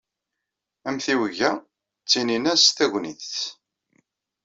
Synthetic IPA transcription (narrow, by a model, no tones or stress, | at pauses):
æmθiwəʝæ | t͡sːininæsθæʝʷniθt͡sː